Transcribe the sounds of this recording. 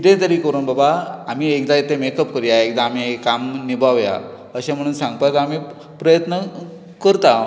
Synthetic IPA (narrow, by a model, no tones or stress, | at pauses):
iʈ̪ẽt̪əɾiːkəɾuːnbabaːmiekd̪aet̪emekəp̚kəɾjaek̚d̪aːmiekːamnibʱaʋja̰ | əɕẽm̤əɽ̃uːnsãŋɡ̚pajt̪əamiː | pɾəjət̪nə | kəɾt̪a